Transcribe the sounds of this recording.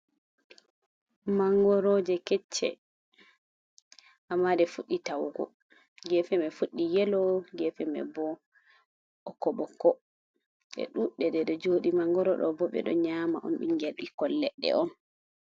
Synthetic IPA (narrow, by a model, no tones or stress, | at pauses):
maŋɡɔɾɔd͡ʒɛkɛt͡ʃːɛ̰ | ʔamːadɛfuɗːitawɡɔ̰ | ɡɛfɛmɛfuɗːijɛlɔɡɛfɛmɛ̰bɔ | ɔkɔɓɔkɔ | ɗɛ̰ɗuɗɛdɛɗɛd͡ʒoɗimaŋɡɔɾɔɗɔ̰bɔɓɛ̰ɗɔ̰ɲamaʔɔ̰nɓḭnɡɛlɗikɔlːɛɗːɛ̰ʔɔn